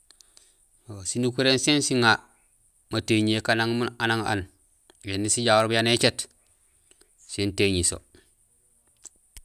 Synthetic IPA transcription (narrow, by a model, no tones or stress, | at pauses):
osinukuɾensensiŋa | mateɲekanaŋmunanaŋa̰n | jenːisiɟawoɾbujanet͡ʃet | senteɲiso̰